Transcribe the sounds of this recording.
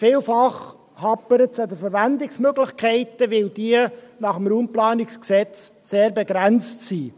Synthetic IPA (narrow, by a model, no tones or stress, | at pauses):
fɪːlfɑχ | hɑpːəɾətsɑd̪əfəɾʋænd̪ɪksmøɡlɪχkʰɛɪt̪əʋɪld̥̪iənɑχəmɾuːmplɑːnɪksksɛt͡sseːɾbɛɡɾænt͡stsiː